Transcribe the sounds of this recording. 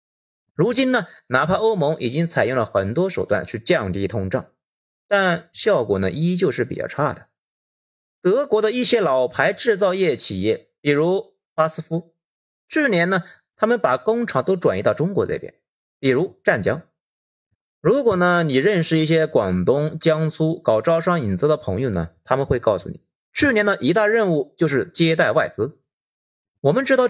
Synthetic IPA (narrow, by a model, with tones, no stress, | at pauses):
ɻu˧˥t͡ɕi˥nnə˨na˧˥pʰa˥˧o˥ʊmo˧˥ŋʔi˨˩t͡ɕi˥ŋt͡sʰa˨˩ɪjʊ˥˩ŋlə˩xə˨˩nt̪wɔ˥ʂo˨˩ʊt̪wa̰˥˧˨nt͡ɕʰy˥˧t͡ɕjɑ˥˧ŋt̪i˥˩t̪ʰʊ˥ŋʈ͡ʂɑ̰˥˩ŋ | t̪a˥˧nɕjɑ˥˩ʊkwɔ̰˨˩nə˦ʔi˥t͡ɕjo˥˧ʊʂɻ̩˥˩pi˨˩t͡ɕɑ̰˥˧ʈ͡ʂʰa˥˩d̪ə˩ | t̪ɤ˧˥kwɔ˧˥d̪ə˧i˥˩ɕjɛ˥lɑ˨˩ʊpʰa˧˥ɪʈ͡ʂɻ̩˥˧t͡sɑ˥˧ʊjɛ˥˩t͡ɕʰi˨˩jɛ˥˩ | pi˨˩ɻu˧˥ | pa˥sɹ̩˥fu˥ | ʈ͡ʂy˥˩njɛ˧˥nnə˧ | t̪ʰa˥mə˨npa˨˩kʊ˥ŋʈ͡ʂʰɑ˧˥ŋt̪o˥ʊʈ͡ʂwa˨˩ni˧˥t̪ɑ˥˧˩ʊʈ͡ʂʊ˥ŋkwɔ˧˥t͡sḛ˥˩ɪpjɛ̰˧˥˩n | pi˨˩ɻu˧˥ʈ͡ʂa˥˩nt͡ɕjɑ̰˥ŋ | ɻu˧˥kwɔ˨˩nə˦ni˨˩ɻə˥˧nʂɻ̩˥˧i˥˩ɕ̬jɛ˥kwɑ˨˩ŋt̪ʊ˥ŋt͡ɕjɑ˥ŋsʰu˥kɑ˨˩ʊʈ͡ʂɑ˥˧ʊʂɑ˥˩ŋi˨˩nt͡s̩˥d̪ə˨pʰɤ̰˧˥ŋjo˥˧˩nə̰˩t̪ʰa˥mə˨nxwe˥˧ɪkɑ˥˩ʊsṵ˧˩nḭ˨˩˦ | t͡ɕʰy˥˩njɛ˧˥nd̪ə˨ʔi˧˥t̪a˥˧ɻə˥˧nu˥˧t͡ɕjo˥˧ʊʂɻ̩˥˩t͡ɕjɛ˥t̪a˥˧ɪwa˥˩ɪt͡sɹ̩˥ | wɔ˨˩mə˦nʈ͡ʂɻ̩˥t̪ɑ˥˩ʊ